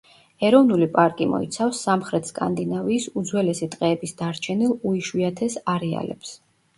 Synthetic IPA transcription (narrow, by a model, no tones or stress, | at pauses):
ɛɾɔvnulipʼaɾkʼimɔ̰ḭt̪sʰafsːamχɾɛt̪ʰskʼa̰nd̪inaviːsud̪zwɛlɛsit̪ʼqʼɛːbisd̪̥aɾt͡ʃʰɛnilˠuiʃwiat̪ʰɛsaɾɛa̰lɛ̰ps